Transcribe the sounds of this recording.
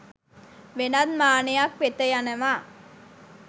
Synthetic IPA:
ʋenad̪maːnejakʋet̪əjanɐʋaː

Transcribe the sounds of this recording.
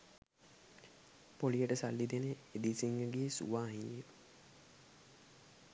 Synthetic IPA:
polijəʈəsalːid̪eneed̪isiŋɡəɡeːsṵʋaːɦie

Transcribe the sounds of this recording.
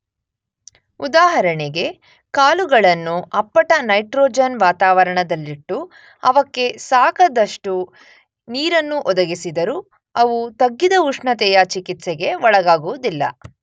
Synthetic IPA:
ud̪aːɦɐɾɐɳeɡe̞ | kaːluɡɐɭɐnːuɐpːɐʈɐnɐjʈɾoːd͡ʒɐnʋaːt̪aːʋɐɾɐɳɐd̪ɐlːiʈːu | ɐʋɐkːe̞saːkɐd̪ɐʂʈu | niːɾɐnːuʔɔd̪ɐɡisid̪ɐɾu | ɐʋut̪ɐɡːid̪ɐuʂɳɐt̪ɛjɐt͡ʃikit̪seɡe̞ʋɔɭɐɡaːɡuʋud̪ilːɐ̰

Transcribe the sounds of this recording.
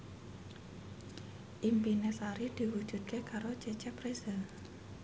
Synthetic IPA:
ʔimpinesaɾid̪̥i̤wu̥ʒ̥ṳd̪̚kʰekaɾot͡ʃet͡ʃɛpɾesəl

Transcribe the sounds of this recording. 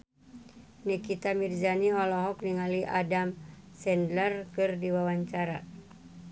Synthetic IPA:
nikit̪amird͡ʒaniɦɔlɔɦɔkniŋaliʔadamsɛndlərkɨrdiwawaɲt͡ʃaɾa̰

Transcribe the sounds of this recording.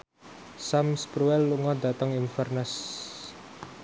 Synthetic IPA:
samspɾuɛlːuŋɔd̪at̪əŋinfɛrnɛs

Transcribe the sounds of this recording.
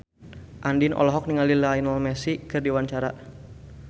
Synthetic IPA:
ʔandinʔɔ̰lɔɦɔk̚niŋalilainɔlmɛsikɨrdiwaɲt͡ʃaɾa

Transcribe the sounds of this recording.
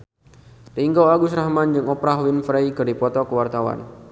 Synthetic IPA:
riŋɡɔwaɡusrahmand͡ʒɨŋɔpɾaɦwinfɾejkɨrdipɔt̪ɔkəwart̪awa̰n

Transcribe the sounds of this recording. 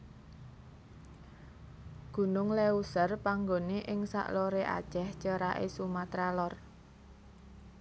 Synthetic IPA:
ɡ̥ṳnʊŋleusərpaŋɡoneʔɪŋsa̰ʔloɾeʔa̰d̥ʒ̥ɛht͡ʃəɾaʔesumat̪ɾalɔr

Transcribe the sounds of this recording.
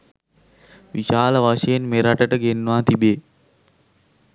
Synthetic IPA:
ʋiʃaːləʋaʃəjenmeɾaʈəʈəɡenːʋaːt̪ibeː

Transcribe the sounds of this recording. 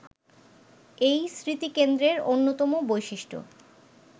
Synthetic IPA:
ejsɾit̪ikend̪ɾeɾonːot̪ɔmobojʃiʃʈʰo̰

